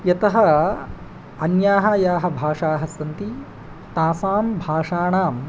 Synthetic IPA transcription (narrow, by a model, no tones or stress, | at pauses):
jɐt̪ɐɦɐ | ɐnjaːɦajaːɦɐbʱaːʂaːɦɐsɐnt̪i | t̪aːsaːmbʱaːʂaːɳaːm